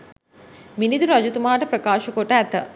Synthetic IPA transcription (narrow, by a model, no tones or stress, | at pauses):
minid̪uɾɐd͡ʒut̪umaːʈɐpɾɐkaːʃɐkoʈəæt̪ə